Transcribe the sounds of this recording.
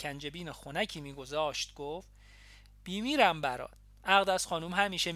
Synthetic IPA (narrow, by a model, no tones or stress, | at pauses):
kʰænd͡ʒe̞biːnexonæcʰiːmiːɡozɒːʃt̪̚ɡ̥of | b̥iːmiːɾæmbæɾɒ̰ːt̪̚ | ʔæɣd̪æz̥xɒːnuːmɦæmiːʃe